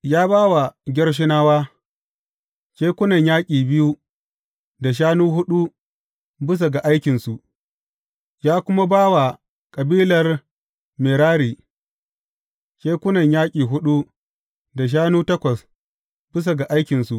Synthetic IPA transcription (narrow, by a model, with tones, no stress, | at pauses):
jaː˦baː˦wa˨ɡʲɪ˦rʃ̬ɪ˦naː˦waː˦ | kʲeː˦kʷʊ˦nɐ˨ɲjaː˦kʲʼiː˨bɪ˦ju˦ | da˨ʃ̬aː˦nuː˦ɦʊ˦ɗu˦ | bɪ˦s̬a˨ɡa˨ʔa˦jkʲɪ˨nsu˨ʔ | jaː˦kʷʊ˦ma˦baː˦wa˨ | kʼɐ˨biː˦lɐ˨r | me˨ɾaː˦ɽiː˨ | kʲeː˦kʷʊ˦nɐ˨ɲjaː˦kʲʼiː˨ɦʊ˦ɗu˦ | da˨ʃ̬aː˦nuː˦tɐ˦kʷɐ˨s | b̥ɪ˦s̬a˨ɡa˨ʔa˦jkʲɪ˨nsu˨ʔ